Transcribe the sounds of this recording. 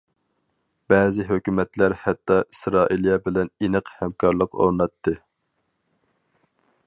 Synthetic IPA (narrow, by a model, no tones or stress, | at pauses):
b̥ɛːzɪɦøkʲymɛt̪læɾhɛt̪ːɑʔi̥sɾɑːʔilˠijɑbɪlɛninɨqhɛmkʰɑɾlˠəqo̰ɾnɑt̪ʰːɨ